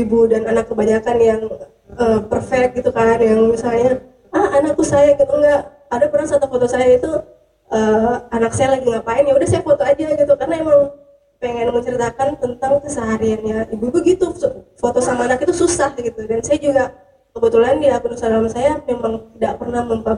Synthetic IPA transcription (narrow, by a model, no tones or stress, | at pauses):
ibudananakːəbaɲakanjaŋ | əːpərfɛk̚t̪̚ɡit̪ukanjaŋmisalɲa | ahanakusajaɡit̪uŋɡaʔ | adabəɾasaːt̪afot̪osajait̪u | əːanak̚sajalaɡiŋɡaʔpaɪnjaudahsajafot̪oad͡ʒaɡit̪ukarənaemaŋ | peŋɛnməɲt͡ʃəɾit̪akant̪ənt̪aŋkəsəɦaɾianɲaibubəɡit̪ufot̪osamaːnakit̪ususahdɡit̪udansajad͡ʒuɡa | kəbət̪ulandiakunusadalamsajamemaŋt̪idak̚pərnahməmpa